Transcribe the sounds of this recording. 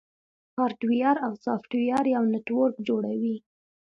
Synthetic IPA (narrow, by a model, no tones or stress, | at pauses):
kɑɾʈwijɑɾawsɑfʈwijɑɾjawnɪʈwoɾkd͡ʒoɽawi